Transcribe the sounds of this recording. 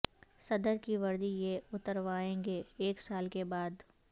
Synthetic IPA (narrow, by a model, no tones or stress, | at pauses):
sɐd̪əɾkiʋɐɾd̪ijeʊt̪əɾʋaːẽːɡeːksaːlkebaːd̪